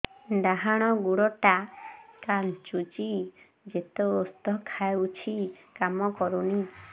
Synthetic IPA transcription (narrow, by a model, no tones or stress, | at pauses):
d̪aɦaɽ̃ɔɡuɽɔʈakant͡ʃut͡ʃi | d͡ʒet̪oːst̪ɔkʰaeut͡ʃʰikamɔkɔɾuni